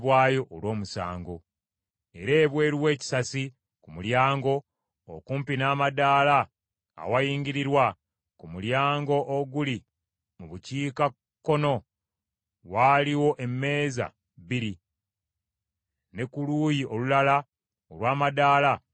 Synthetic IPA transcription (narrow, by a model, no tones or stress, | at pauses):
βwaːjo̞ʔːlwo̞ːmusa̰ːŋɡo̞ | e̞ɾeːβwe̞ːɾiwe̞ːci̥sasi | kumuljaːŋɡo̞ | o̰kuːmpinaːmadaːla̰ː | wajiːɲɟiɾiɾwa | kumuljaːŋɡo̞ʔoɡuli | muβuciːka | kːo̞no̞ | waːliwo̞ʔe̞mːe̞ːza̰ | βiɾi | ne̞kuluːjio̞lulala | olwaːmadaːla